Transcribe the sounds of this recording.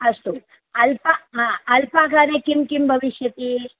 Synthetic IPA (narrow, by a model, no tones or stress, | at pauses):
ɐʂʈu | ɐlpaɐlpaːkaːɾeːkimkimbʱɐʋiʃjɐt̪i